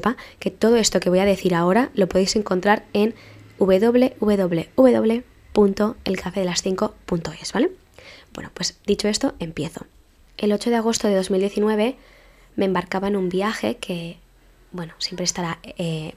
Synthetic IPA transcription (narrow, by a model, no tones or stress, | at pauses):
pake̞t̪o̞ð̞o̞e̞st̪o̞keβo̞jaðe̞θiɾao̞ɾalo̞po̞ðejse̞ŋko̞nt̪ɾaɾe̞nuβe̞ðo̞βle̞ʔuβe̞ðo̞βle̞uβe̞ðo̞βle | punt̪o̞elkafe̞ðe̞lasθiŋko̞punt̪o̞e̞zβale̞ | bwe̞̰nopwe̞sd̪it͡ʃo̞e̞st̪o̞e̞mpje̞θo̞̰ | e̞lo̞t͡ʃo̞ð̞e̞aɣ̞o̞st̪o̞ðe̞ð̞o̞zmild̪je̞θinwe̞βe̞ | mẽ̞ːmbaɾkaβaenũmbiaxe̞kʰe̞ | bwe̞nosje̞mpɾest̪aɾae